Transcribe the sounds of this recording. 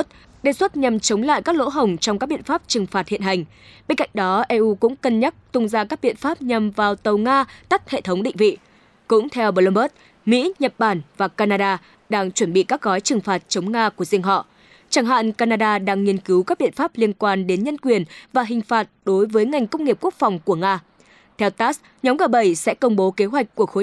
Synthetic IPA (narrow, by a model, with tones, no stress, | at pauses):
t̚ | ɗe˨˩swə˦˥t̚ɲa˨˩mt͡ɕə˨˦wŋ͡mla̰ː˧˨jkaː˦˥k̚lo̰˧˥ɦə˨˩wŋ͡mt͡ɕɔ˧wŋ͡mka˦˥k̚ɓḭ˧˨nfaː˦˥p̚t͡ɕɨ˨˩ŋfaː˨˩t̚hḭ˧˨ənɦa˨˩jŋ̟ | ɓe˧nka̰˧˨jŋ̟ɗɔ˨˦ʔɛ˧ʔu˧kʊ̰˧˥ŋ͡mkə˧nɲə˦˥t̚t̪ʊ˧ŋ͡mzaː˧kaː˦˥k̚ɓḭ˧˨ənfaː˦˥p̚ɲa˨˩mvaː˨˩wt̪ə˨˩wŋaː˧t̪a˦˥k̚hḛ˧˨t̪ʰə˨˦wŋ͡mɗḭ˧˨ŋ̟vḭ˧˨ | kʊ̰˧˥ŋ͡mt̪ʰɛ˧wɓə˧lə˧mɓə˦˥t̚ | mḭ˧˥ɲə˨˩t̚ɓaː˧˩nvaː˨˩kaː˧naː˧ɗaː˧ | ɗaː˧ŋt͡ɕwə˧˩nɓḭ˧˨kaː˦˥k̚ɣɔ˨˦jt͡ɕɨ˨˩ŋfaː˨˩t̚t͡ɕə˨˦wŋ͡mŋaː˧ku˧˩əzi˧ŋ̟ɦɔ̰˧˨ʔ | t͡ɕaː˧˩ŋɦa̰ː˧˨nkaː˧naː˧ɗaː˧ɗaː˧ŋːi˧ənki˨˦wkaː˦˥k̚ɓḭ˧˨nfaː˦˥p̚li˧ənkwaː˧nɗe˨˦nɲə˧nkwi˨˩ənvaː˨˩ɦï˨˩ŋ̟faː˨˩t̚ɗo˨˦jvəː˨˦jŋa˨˩jŋ̟kə˧wŋ͡mŋːi˩p̚ku˦˥ək̚fɔ˨˩wŋ͡mku˧˩əŋaː˧ | t̪ʰɛ˧wt̪aː˦˥s | ɲɔ˨˦ŋ͡mɣəː˨˩ɓə˧˩jsɛ̰˧˥kə˧wŋ͡mɓo˨˦ke˨˦ɦwa˨˩jk̟̚kːu˧˩əxo˨˦